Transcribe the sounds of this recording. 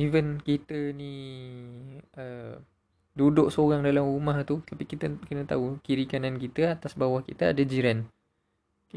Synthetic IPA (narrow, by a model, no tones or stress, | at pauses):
ivənkit̪əni | ə | dudʊʔsoɾaŋdalamrumaht̪ut̪apikit̪əkənət̪a̰ukiɾikanãnkit̪əat̪asbawahkḭt̪aa̰dad͡ʒiɾan | k